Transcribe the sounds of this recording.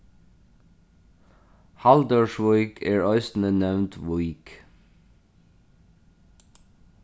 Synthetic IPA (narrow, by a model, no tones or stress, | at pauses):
hɑld̪əʃʋɔʏkʰeːɹœʏst̪n̩ənɛʋnt̪ʰʋʊɪk